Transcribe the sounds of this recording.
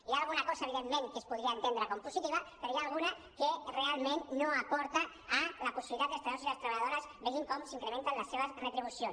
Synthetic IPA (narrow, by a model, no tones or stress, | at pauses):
ijaːlˠɣunakɔsaeβ̞iðemːẽŋkeːspuðɾiaent̪end̪ɾakompusit̪iβapeɾojaːlˠɣuna | kerealˠmẽnːoapɔɾt̪aː | lapusiβilit̪at̪est̪aosilast̪ɾɐβaʎaðoɾazbeɣiŋkɔmsiŋkɾemẽnt̪anlasːeβ̞asret̪ɾiβ̞usions